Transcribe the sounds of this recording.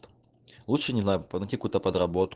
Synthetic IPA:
lˠutʂɨnʲiznanatʲikut̪ɐpɐd̪ɾabɔt̪

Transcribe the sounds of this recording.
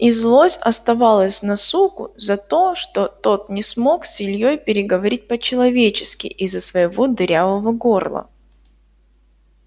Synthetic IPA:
izlˠosʲɐst̪ɐvalˠəsʲnɐsukʊ̰zɐt̪o̞ʂt̪ot̪o̞t̪nʲɪsmo̞ksʲɪlʲjojpʲɪɾʲɪɡəvɐɾʲit̚ʲpət͡ɕɪlˠɐvʲet͡ɕɪskʲɪ̰ʔɪzːəsvəjɪvo̞d̪ɾʲavəvəɡo̞rlˠə̰

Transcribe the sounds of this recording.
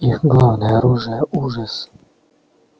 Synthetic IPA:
ixɡlˠavnɛːɾuʒɛuʒas

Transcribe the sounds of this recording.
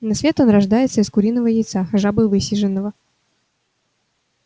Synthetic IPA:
nɐsvʲe̞t̪o̞nrɐʐd̪ajɪt̪səɪskʊɾʲinːəvəjɪjt̪saʐabɨvɨsʲɪʐɨnːəvə

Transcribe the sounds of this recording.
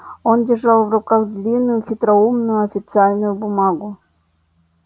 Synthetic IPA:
ondʲɪrʐɑlˠvrʊkaɣd̪lʲinːʊjʊxʲɪt̪ɾaumnʊjʊɐfʲɪt̪sɨalʲnʊjʊbʊmɑɡʊ

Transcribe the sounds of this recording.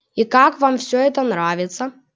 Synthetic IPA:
ikakvamfsʲɔɛt̪ɐnɾavʲɪt̪sɐ

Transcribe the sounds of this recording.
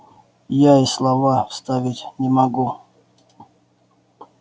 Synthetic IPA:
jaislˠavafst̪avʲɪtʲnʲɪmaɡu

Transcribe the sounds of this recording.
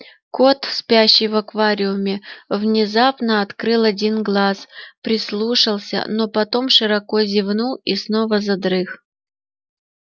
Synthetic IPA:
ko̞t̪spʲaɕːɪjvɐkvaɾʲɪʊmʲɪvnʲɪzapnəɐt̪kɾɨlˠɐdʲinɡlˠaspɾʲɪslˠuʂəlˠsʲə̰nopɐt̪omʂɨɾɐkozʲɪvnuisnovəzɐd̪ɾɨx

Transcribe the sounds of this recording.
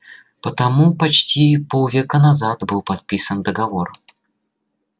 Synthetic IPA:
pət̪ɐmupɐt͡ɕtʲipolˠvʲekənɐzat̪bɨlˠpɐt̪̚pʲisənd̪əɡɐvor

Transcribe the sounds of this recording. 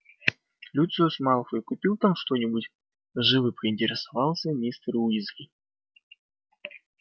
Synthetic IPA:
lʲut̪sɨjʊsmɑlˠəfɨjkʊpʲilˠt̪amʂt̪onʲɪbutʲ | ʐɨvɨpɾəɪnʲtʲɪɾʲɪsavɑlˠsʲənʲist̪ɾuizɡʲɪ

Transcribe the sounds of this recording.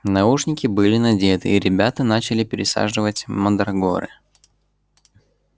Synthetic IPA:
nɐuʂnʲɪkʲɪbɨlʲɪnɐdʲe̞t̪ɨ̰iɾʲɪbʲat̪ənat͡ɕɪlʲɪpʲɪɾʲɪsa̰ʐɨvətʲməd̪ɾɐɡo̰ɾɨ̰

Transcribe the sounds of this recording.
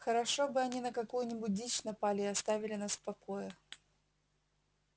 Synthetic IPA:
xəɾɐʂo̞bɨɐnʲinəkɐkujʊnʲɪbʊt̚ʲdʲit͡ɕnɐpalʲɪɪɐst̪avʲɪlʲɪnasfpɐko̞jə

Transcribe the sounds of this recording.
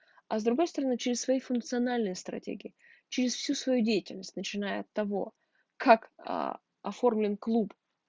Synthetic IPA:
ɐzd̪ɾʊɡo̞jst̪əɾɐnɨt͡ɕɪɾʲɪsvɐjijfʊnk̚t̪sɨɐnalʲnɨjəst̪ɾɐ̰tʲḛɡʲɪjɪ | t͡ɕɪɾʲɪsfsʲusvɐjudʲejɪtʲɪlʲnəsʲtʲnət͡ɕɪnajəɐt̪ːɐvo̞̰ | kʰakə̰ | ɐfo̞rmlʲɪnklˠup

